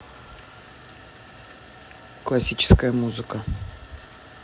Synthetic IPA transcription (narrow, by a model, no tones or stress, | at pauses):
klˠɐsʲit͡ɕɪ̥skəjəmuzɨkə